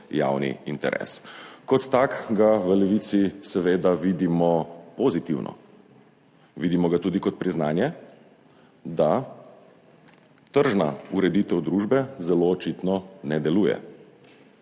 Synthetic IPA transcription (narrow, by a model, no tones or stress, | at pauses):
ja̰wnḭint̪ɛ̰ɾʔɛ̰ːskɔt̪ːaːkɡaʋəlɛʋit̪sisɛʋeːd̪aʋid̪imɔpozit̪iwnʔɔ̰ | ʋid̪imɔɡat̪uːd̪ikɔt̪̚pɾiznaːnjɛ | d̪a | t̪əɾʒna̰uɾɛd̪it̪ɛwd̪ɾuːʒbɛzɛloːt͡ʃit̪nɔnɛd̪ɛluːjɛ̰